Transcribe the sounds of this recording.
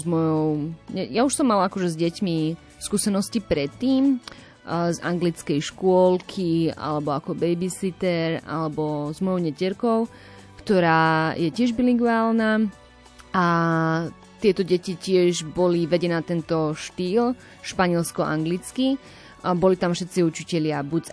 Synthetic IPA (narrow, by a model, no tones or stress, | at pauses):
zmɔjɔʊɲɛjauʃsɔmːalakɔʒɛzɟɛcmi | skuːsɛnɔscipɾɛt̪ːiːm | za̰ŋɡlit͡skɛjʃkʊɔlkʰia̰lɛbɔakɔbɛjbisit̪ɛɾa̰lɛbɔzmɔjɔʊɲɛcɛɾkɔʊ | kt̪ɔɾaːjɛcɪɛʒbiliɡʊaːlnaː | a | t̪ɪɛt̪ɔɟɛcicɪɛʒbɔliʋɛɟɛnaːt̪ɛnt̪ɔʃt̪iːl | ʃpaɲɪɛlskɔʔa̰ŋɡlit͡ski | bɔlit̪amfʃɛt̪t͡siut͡ʃicɛʎɪabut͡s